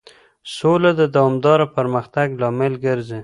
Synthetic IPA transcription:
solad̪əd̪awɑmd̪ɑɾapəɾməxt̪aɡlɑmelɡəɾzi

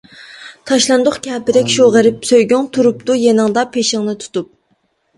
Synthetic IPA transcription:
t̪ʰɑʃlˠɑnd̪ʊχkʲʰɛːpɪd̪ɛkʲʃuʁəɾɪpsøjɡʲyŋt̪ʰuɾup̚t̪ujenɨŋd̪ɑpʰeʃɪŋnɨt̪ʰu̥t̪up̚

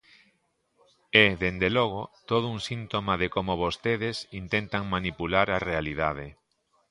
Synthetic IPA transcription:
eðend̪elɔɣ̞ot̪oð̞ʊuŋsint̪omaðekomoβost̪eðesint̪ent̪aŋmanipulaɾarealiðað̞e

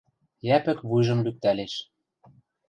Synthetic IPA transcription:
jæpɘ̆kβujʒɤ̆mlyk̚t̪æleʃ

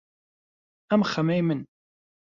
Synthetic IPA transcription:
æmχːəmæjmən

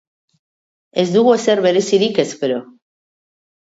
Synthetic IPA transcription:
ezd̪uɣoseɾβeɾesiɾikespeɾo

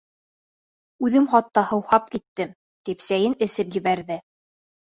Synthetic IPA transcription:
ʉðɘmχɑt̪ːɑhɤ̆whɑp̚kit̪ːɘm | t̪ipsæjɘnɘ̆sɘpjɘ̆βæɾðɘ

